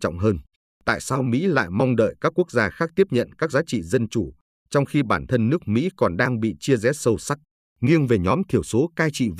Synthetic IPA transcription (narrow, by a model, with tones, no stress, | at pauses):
ɔ̰˧˨wŋ͡mɦəː˧n | t̪a̰ː˧˨jsaː˧wmḭ˧˥la̰ː˧˨jma˧wŋ͡mɗə̰ː˧˨jkaː˦˥kːu˦˥ək̚zaː˧xaː˦˥k̚t̪i˦˥əp̚ɲə̰˧˨nkaː˦˥k̚zaː˨˦t͡ɕḭ˧˨zə˧nt͡ɕu˧˩ | t͡ɕɔ˧wŋ͡mxi˧ɓaː˧˩nt̪ʰə˧nːɨ˦˥ək̚mḭ˧˥kɔ˨˩nɗaː˧ŋɓḭ˧˨t͡ɕi˧əzɛ˨˦sə˧wsa˦˥k̚ | ŋi˧əŋve˨˩ɲɔ˨˦mt̪ʰi˧˩əwso˨˦kaː˧jt͡ɕḭ˧˨v